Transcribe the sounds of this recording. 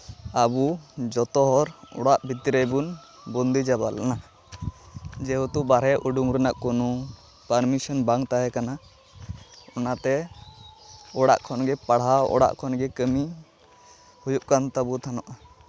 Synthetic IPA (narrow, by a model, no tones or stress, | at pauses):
abud͡ʒɔt̪ɔɦɔɾɔ̰ɽaʔbʱit̪iɾəjbun | bɔnd̪id͡ʒabalna | d͡ʒɛɦut̪uʔbaɾɛʔuɖuŋɾɛnaʔkɔnu | paɾmisɔnbaŋt̪aɦɛkana | ɔnat̪ɛ | ɔɽa̰ʔkʰɔnɡɛpaɽɦaɔ̰ɽa̰ʔkʰɔnɡɛkəmi | hujuʔkant̪abut̪ʰanɔʔa